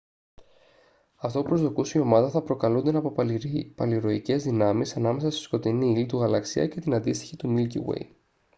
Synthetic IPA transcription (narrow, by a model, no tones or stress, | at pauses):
ɐft̪o̞upɾo̞zðo̞kusio̞mɐðɐθɐpɾo̞kɐlund̪e̞nɐ | pɐliɾo̞ice̞zðinɐmisɐnɐme̞sɐst̪o̥sko̞t̪iniilit̪uɣɐlɐksḭɐ̰ce̞t̪inɐnd̪ist̪içit̪umilcḭwḛj